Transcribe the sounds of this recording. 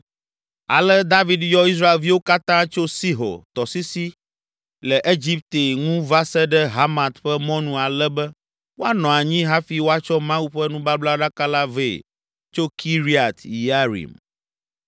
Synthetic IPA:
a̰˨lɛ˦d̪a˦vi˦djɔ˦i˦s̬ɾa˦e˨lvi˦wo˦ka˦t̪ã˦t͡ʃo˦si˦ɦo̰˨t̪ɔ˨si˦si˦ | lɛ˨ʔe˦d͡ʒi˦p̚t̪e˨ŋũ˦va˦sɛ˦ɖɛ˦ɦa˦mã˨t̪ɸɛ˦mɔ̃˦nũ˨a˨lɛ˦bɛ˦ | wo˦a˦nɔ̃˨a˨ɲĩ˦ɦa˦fi˨wo˦a˦t͡ʃɔ˦mã˦u˦ɸɛ˦nũ˦ba˦bla˦ɖa˦ka˦la˦ve˦˨ | t͡ʃo˦kʰi˦ɾi˦a˨t̪i˨ja˦ɾḭ˨m

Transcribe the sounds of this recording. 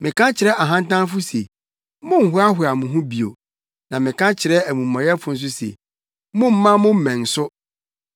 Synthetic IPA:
mɪ̃˨kʰã˦t͡ɕʰɪ˨ɾɛ˦ʔa˨ɦã˦n˦tã˦n˦fʊ˦se˨ | mʊ̃˦n̩˨ɦʊ˦a˦ɦʊ˨a˨mʊ̃˨ɦʊ̃˦bi˨o̰˨ | nã˨mɪ̃˨kʰã˦t͡ɕʰɪ˨ɾɛ˦æ˨mũ˨mːã˨ɾɪ˦ɛ˦fʊ˨n̩˦s̬ʊ˦sḛ˨ | mʊ̃˦m̩˦mã˦mʊ̃˦m̩˨mɛ̃˨n̩˨sʊ˦

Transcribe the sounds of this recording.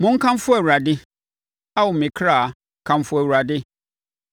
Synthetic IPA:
mʊ̃˦ŋ̩˦kʰã˦m˦fʊ˦æ˨wu˨ɾa˨dɪ˦ | a˦wʊ˨mɪ̃˨kʰɾa˦˨ | kʰã˦mfʊ˦æ˨wu˨a˨dɪ˦

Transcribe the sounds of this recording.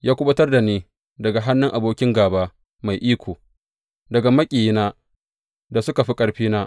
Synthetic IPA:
jaː˦kʷʊ˦bɐ˦tɐ˦rda˨neː˦ | dɐ˨ɡa˨ɦa˦nːʊ˦ŋʔa˨boː˦kʲɪ˦ŋɡaː˨baː˦ | ma˨jʔiː˦kʷoː˨ | dɐ˨ɡa˨mɐ˦kʲʼiː˨jnaː˦ | da˨sʊ˦ka˨ɸi˦kʼɐ˦ɽɸiː˦naː˦

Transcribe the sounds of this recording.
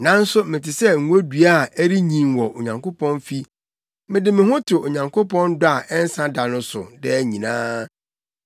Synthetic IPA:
nã˨n̩˦sʊ˦mɪ̃˨tʰɪ˨sɛ˦ŋ̩˨˦o˦dɥa˦˨æ˦ɾi˦ɲĩ˨mwɔ˨o˨ɲã˨ŋkʰo˦pʰɔ̃˦nfi˦ | mɪ̃˨dɪ˨mɪ̃˨hʊ̃˦tʰʊ˨o˨ɲã˨ŋkʰo˦pɔ̃˦ndʊ˦a˨ʔɛ˦n̩˦sã˦da˨nʊ̃˦sʊ˨dɛ˦ɲĩ˨nãː˦

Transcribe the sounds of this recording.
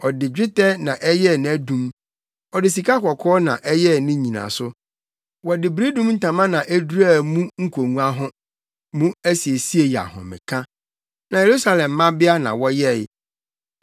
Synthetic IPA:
ɔ˨dɪ˨d͡ʑᶣɪ˦tɛ˦nã˨ʔɛ˦jɛ˦˨nɪ̃˨˦æ˦dũ˦m | ɔ˨dɪ˨s̬i˨kʰa˦kʰɔ˨kʰɔː˦nã̰˨ʔɛ˦jɛ˦nɪ̃˦ɲĩ˨nã̰˨sʊ˦ | wɔ˨dɪ˨bɾi˦dũ˦mn̩˦tʰã˨mã˦nã˨ʔe˦du˦ɾa˦˨mũ˦ŋ̩˦kʰo˨ŋũ˦a˦ɦʊ̃˦ | mũ˦æ˦si˨e˨si˦e˨ja̰˨hɔ̰̃˨mɪ̰̃˨kʰã˦ | nã˨je˨ɾu˦sa˦lɛ̃˨mː˦ã˦bɪ˦a˦nã̰˨wɔ˦jɛ˦˨˦

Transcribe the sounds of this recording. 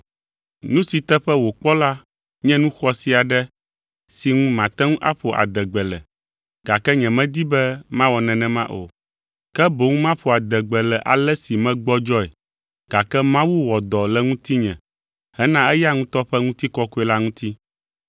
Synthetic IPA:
nũ˦si˨t̪ɛ˦ɸɛ˦wo˨k͡pɔ˦la˦ | ɲɛ̃˦nũ˦xɔ˦si˨a˨ɖɛ˦ | si˨ŋũ˦mã˨t̪ɛ˦ŋũ˦ʔa̰˦ɸo˨ʔa̰˨d̪ɛ˨ɡ͡bɛ˨lɛ˨ | ɡ̥a˨kɛ˦ɲɛ̃˨mɛ̃˦d̪i˦bɛ˦mã˦wɔ˨nɛ̃˨nɛ̃˨mã˦ʔo̰˨ | kɛ˦bo˨ŋũ˦mã˦ɸo˨a˨d̪ɛ˨ɡ͡bɛ˨lɛ˨ʔa˨lɛ˦si˨mɛ̃˦ɡ͡bɔ˦d͡ʒɔ˦ɛ˨ | ɡ̥a˨kɛ˦mã˦wu˦wɔ˨d̪ɔ˨lɛ˦ŋũ˦t̪i˦ɲɛ̃˨ | hɛ˦nã˦ɛ˦ja˦ŋũ˦t̪ɔ˦ɸɛ˦ŋũ˦t̪i˦kɔ˦ku˦ɛ˦la˦ŋũ˦t̪i˦

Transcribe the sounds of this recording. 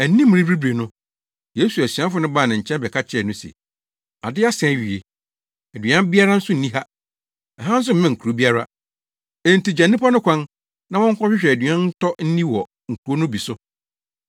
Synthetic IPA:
æ˨n˦nĩ˦m̃˨ĩ˦bɾi˦bɾe˨nʊ̃˦ | je˦su˨æ˨si˨ã˦fʊ˦nʊ̃˦baː˦˨nã˨ɲ̩˨t͡ɕʰɛ̃˦nbɛ˨kʰa˦t͡ɕʰɪ˦ɛ˨nʊ̃˦sɛ̰˨ | a̰˨dɪ˦a˦sɛ̃˨˦˨ɥi˨ḛ˨ | æ˨dɥã˦m˦bi˦a˦ɾa˦n̩˦sʊ˦n̩˨nĩ˦ɦa˦ | ɛ˨ɦã˦n̩˦s̬ʊ˦m̩˨mɛ̃˦ŋ̩˨kʰu˨ɾo˦bi˦a˦ɾa̰˦ | e˦n̩˨ti˨d͡ʑa˨nːĩ˦pa˦nʊ̃˦kʷʰã˦n | nã˦wɔ̃˦ŋ̩˦kʰʷɔ̃˦ɕᶣɪ˦ɕᶣɛ˨æ˨dɥã˦n̩˦tʰɔ˦n̩˦nĩ˦wɔ˨ | ŋ̩˨kʰu˨o˦nʊ̃˦bi˨sʊ˦

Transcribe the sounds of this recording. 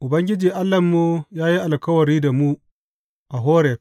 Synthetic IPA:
ʔʊ˨bɐ˦ŋɡʲɪ˦d͡ʒiː˨ʔa˦lːɐ˨mːu˦jaː˦ji˦ʔa˨lkɐ˦wɐ˨ɾiː˦da˨mu˦ | ʔa˨ɦoː˦ɾeː˨

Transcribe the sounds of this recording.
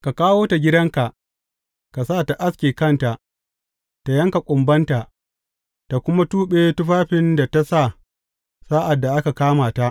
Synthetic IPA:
ka˨kaː˦woː˦ta˨ɡʲɪ˦dɐ˦ŋka˨ʔ | ka˨sa˦˨ta˨ʔa˦skʲeː˨kɐ˦˨nta˨ʔ | ta˨jɐ˦ŋka˨kʷʼʊ˨mbɐ˦nta˨ʔ | ta˨kʷʊ˦ma˦tuː˦ɓeː˦tʊ˦ɸaː˦ɸɪ˦nda˨ta˦sa˦˨ | saː˦ʔa˨dːa˨ʔa˦ka˨kaː˦maː˨ta˦ʔ

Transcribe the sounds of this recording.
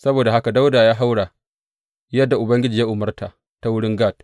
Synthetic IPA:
sɐ˦boː˨da˨ɦa˦ka˨da˦wdaː˨jaː˦ɦa˦wɽaː˨ | jɐ˦dːa˨ʔʊ˨bɐ˦ŋɡʲɪ˦d͡ʒiː˨ja˦ʔʊ˨mɐ˦rta˨ | ta˦wʊ˦ɽɪ˦ŋɡaː˦˨t̚

